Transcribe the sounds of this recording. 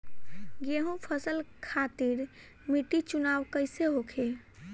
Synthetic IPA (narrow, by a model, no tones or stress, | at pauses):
ɡeɦũpʰəsəlkʰat̪iɾ | miʈit͡ʃunawkəjseɦokʰe